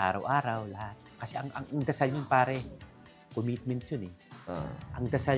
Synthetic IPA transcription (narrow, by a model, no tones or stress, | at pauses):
ʔaːɾɐwʔaːɾɐwlɐhat̪̚kɐsɛʔɐŋʔɐ̰ŋʔŋd̪ɐsalɲonpaːɾɛ | komit̪̚mɛnt̪̚t͡ʃonɛoʔɐŋd̪ɐsa